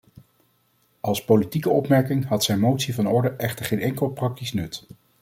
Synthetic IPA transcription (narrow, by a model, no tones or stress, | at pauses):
ʔɑlˠspolitikəɔpmɛɹkɪŋɦɑtsɛjnmowtsivɑnɔɹdəʔɛχtəɹχejnɛŋkəlˠprɑk̚tisnɵt